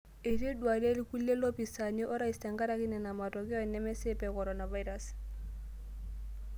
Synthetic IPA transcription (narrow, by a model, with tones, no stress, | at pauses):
e˨ti˦dwa˨le˦li˦ku˦li˦e˦lɔ˦pi˨sa˨ɲɔ˦ʔɔ˦ɾa˦i˨stɛ˨ŋka˦ɾa˦kɪ˦nɛ˨na˨ma˨tɔ˨kɛ˦ɔ˦˨nɛ˦mɛ˦sɪ˦pɛ˨kɔ˨ɾɔ˨na˨va˦jɾa˦s